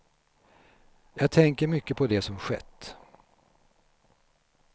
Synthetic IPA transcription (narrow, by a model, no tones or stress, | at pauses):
jɑːɡ̚t̪ʰɛŋkəɾmʏkːəpʰɔd̪ɛsɔmɧɛ̰t̪ː